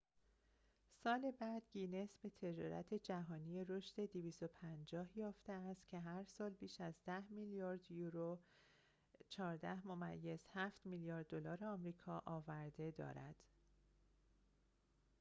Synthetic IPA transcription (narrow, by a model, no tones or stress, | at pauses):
sɒːle̞bæd̪̥ɡinesbe̞t̪ʰe̞d͡ʒɒ̰ːɾæ̰t̪ʰe̞d͡ʒæɦɒːniːjeɾoʃt̪e̞d̪iviːst̪o̞pʰænd͡ʒɒːhjɒːft̪e̞æst̪cʰe̞ɦæɾsɒːlbiːʃæzd̪æhmiljɒːɾd̪juɾo | t͡ʃʰɒːɾd̪æhmo̞mæjːe̞z̥hæːft̪milijɒːɾd̪̚ːolɒːɾeɒːmɾiːkʰɒːʔɒːvæɾd̪e̞d̪ɒ̰ːɾæ̰d̪̥